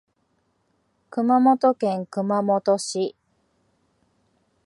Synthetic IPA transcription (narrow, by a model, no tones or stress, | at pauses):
kɯ̟mamot̪okẽ̞ŋkɯ̟mamot̪oɕi